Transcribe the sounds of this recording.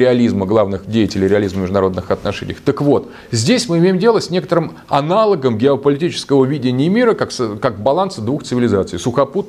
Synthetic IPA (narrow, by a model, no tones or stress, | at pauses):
ɾʲɪɐlʲizməɡlˠavnɨxdʲejɪtʲɪlʲɪjɾʲɪɐlʲizməmʲɪʐd̪ʊnɐɾo̞d̪nɨxɐt̪nɐʂɛ̰nʲɪ̰jəxt̪əkvo̞t̪ | zʲdʲesʲmɨɪmʲejɪmdʲe̞lˠəsʲnʲe̞kə̥t̪əɾɨm | ɐ̰nalˠəɡəmɡʲɪɐpəlʲɪtʲit͡ɕɪ̥skəvəvʲidʲɪnʲɪəmʲiɾəkakskakbɐlˠansɨd̪vuxt̪sɨvʲɪlʲɪzat̪sɨ̰jsʊxɐput̪̚